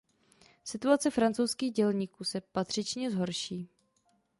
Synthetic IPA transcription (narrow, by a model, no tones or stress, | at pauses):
sɪt̪uat͡sɛfɾant͡sowskiːɣɟɛlɲiːkuːsɛpat̪r̥ɪt͡ʃɲɛzɦo̞ɾʃiː